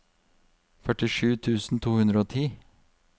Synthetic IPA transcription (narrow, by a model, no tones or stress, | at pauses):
fœʈɪʂʉːt̪ʰʉːsn̩t̪ʰuːhʉnd̪ɾəoːt̪ʰiː